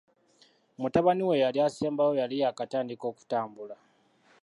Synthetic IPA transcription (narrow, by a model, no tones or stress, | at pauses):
mutaβaniwe̞jaliaseːmbajo̞jalijakataːndiko̞ːku̥taːmbula